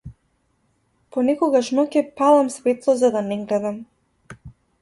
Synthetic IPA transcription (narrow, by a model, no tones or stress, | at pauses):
pɔnɛkɔɡaʃnɔkɛpalˠamsvɛt̪lˠɔzad̪anɛɡlɛd̪am